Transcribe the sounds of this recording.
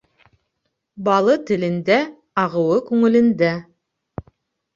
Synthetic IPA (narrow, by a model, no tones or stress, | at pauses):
bɑlˠɤt̪ɘ̆lɘ̆nd̪æ | ɑʁɤ̆wɤkʉŋɘ̆lɘ̆nd̪æ